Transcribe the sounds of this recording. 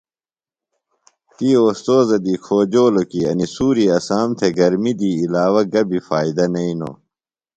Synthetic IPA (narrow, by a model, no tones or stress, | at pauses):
t̪iːoːst̪oːzɐd̪iːkʰoːd͡ʑoːlokiɐ̰nisuːɾiɐsaːmt̪ʰeɡɐɾmid̪iːlaːwɐɡɐbifaːid̪ɐnɐino̰ː